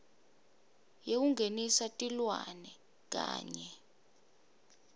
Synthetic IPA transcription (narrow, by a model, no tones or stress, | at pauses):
jek̬uŋʱenisatʼilwa̰nɛ | k̬a̰ːɲɛ